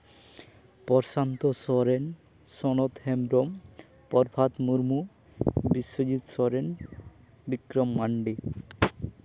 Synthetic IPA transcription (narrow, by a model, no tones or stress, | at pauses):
pɔɾʃant̪osɔɾen | sɔnot̪hemɾom | pɔɾbʱat̪muɾmu | biʃːod͡ʑit̪soɾen | bikɾomːaɳɖi